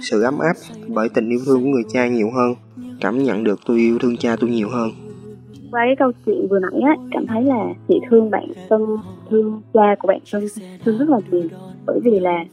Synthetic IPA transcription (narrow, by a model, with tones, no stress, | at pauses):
sɨ̰˧˨ʔa˨˦mʔaː˦˥p̚ɓəː˧˩jt̪ï˨˩ŋ̟ʔi˧wt̪ʰɨ˧əŋku˧˩əŋɨ˨˩əjt͡ɕaː˧ɲi˨˩əwɦəː˧n | kaː˧˩mɲə̰˧˨nɗɨ˨˩ək̚t̪u˧jʔi˧əwt̪ʰɨ˧ŋt͡ɕaː˧t̪u˧jɲi˨˩əwɦəː˧n | kwaː˧kaː˨˦jkə˧wt͡ɕwḭ˧˨ə˨nvɨ˨˩əma̰˧˥˦jʔaː˨˦kaː˧˩mt̪ʰə˨˦jlaː˨˩t̪ʰḭ˧˨t̪ʰɨ˧əŋɓa̰ː˧˨nfə˧nt̪ʰɨ˧əŋt͡ɕaː˧ku˧˩əɓa̰ː˧˨nt̪ʰə˧ŋt̪ʰɨ˧əŋzə˦˥t̚laː˨˩zi˨˩əɓəː˧˩jvi˨˩laː˨˩